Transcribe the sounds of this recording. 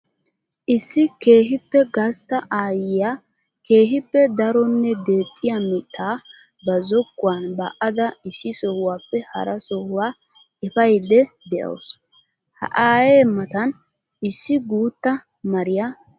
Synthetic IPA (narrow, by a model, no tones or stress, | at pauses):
ʔɪsːɪke̞ːɦɪpːɛɡɐst̪ɐʔaːjɪja | ke̞ːɦɪpːɛd̪ɐɾɔnːɛd̪e̞ːt̪ʼːɪjamɪt̪ʰʼːaː | bɐzɔkːʊwanbɐ̰ʔɐd̪ɐɪsːɪsɔhʊwaːpːɛhɐ̰ɾɐsɔhʊwaː | ɛpɐjd̪ɛ | d̪ɛʔɐ̰ws | hɐ̰ʔaːjeːmɐt̪ɐn | ɪsːɪɡuːt̪ːɐ | mɐɾɪja